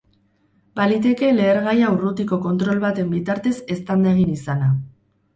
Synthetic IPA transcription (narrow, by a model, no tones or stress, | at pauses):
balit̪e̞ke̞le̞ːɾɣajaurut̪iko̞ko̞nt̪ɾo̞lβat̪e̞mbit̪aɾt̪e̞se̞st̪and̪eɣ̞inisana